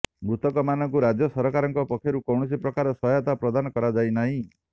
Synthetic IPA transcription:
mut̪ɔkɔmanɔŋkuɾad͡ʒjɔsɔɾɔkaɾɔŋkɔpɔkʰjɔɾukɔwɳɔsipɾɔkaɾɔsɔjɔt̪apɾɔd̪anɔkɔɾad͡ʒajnaɦĩ

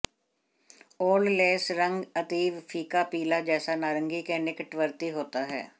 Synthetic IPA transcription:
ɔːlleːsɾəŋɡət̪iːʋpʰiːkaːpiːlaːd͡ʒɛːsaːnaːɾəŋɡiːkeːnɪkəʈʋəɾt̪iːɦoːt̪aːɦɛ̰ː

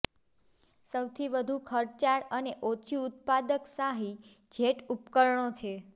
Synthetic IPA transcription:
səwt̪ʰiʋəd̪ʱukʰəɾt͡ʃaɭəneʔot͡ʃʰiut̪̚pad̪əksaɦi | d͡ʒʱeʈupkəɾɳot͡ʃʰe

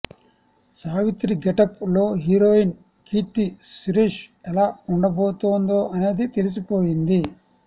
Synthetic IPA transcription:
saːʋit̪ɾiɡɛʈɐplo̞ːɦiɾoːjin | kiʈ̪ːisuɾiːʂɛlaːuɳɖɐboːt̪oːnd̪oːʔɐne̞ːd̪it̪elis̬ipoːjind̪i

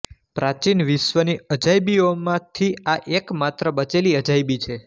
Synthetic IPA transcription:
pɾat͡ʃinʋiʃʋəniəd͡ʒajbiomãt̪ʰiaʔekmat̪ɾəbət͡ʃeliəd͡ʒajbit͡ʃʰe

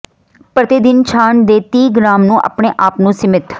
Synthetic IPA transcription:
pɾət̪ɪd̪ɪnt͡ʃʰaːnd̪eːt̪iːɡɾaːmnũːʔa̰ːpɳeːʔaːpnũːsɪmɪt̪

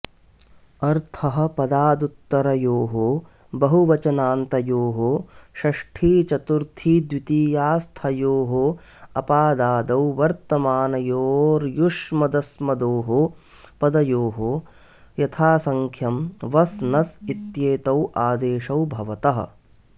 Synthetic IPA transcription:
ɐɾt̪ʰɐɦɐ̆pɐd̪aːd̪ut̪ːɐɾɐjoːɦo | bɐɦuʋɐt͡ʃɐnaːnt̪ɐjoːɦoʃɐʂʈʰiːt͡ʃɐt̪uɾt̪ʰiːd̪ʋit̪iːjaːst̪ʰɐjoːɦo | ɐpaːd̪aːd̪ɐwʋɐɾt̪ɐmaːnɐjoːɾjuʂmɐd̪ɐsmɐd̪oːɦo | pɐd̪ɐjoːɦo | jɐt̪ʰaːsɐŋkʰjɐmʋɐsnɐsit̪jeːt̪ɐwʔaːd̪eːʃɐwbʱɐʋɐt̪ɐɦɐ̰̆

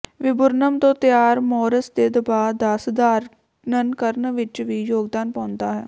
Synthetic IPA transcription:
ʋɪbʊɾnəmt̪õːt̪ɪjaːɾmɔːɾəsd̪eːd̪əbaːd̪əsd̪aːɾ | nənkəɾnʋɪt͡ʃʋiːjoːɡd̪aːnpãːnd̪aːɦɛ̰ː

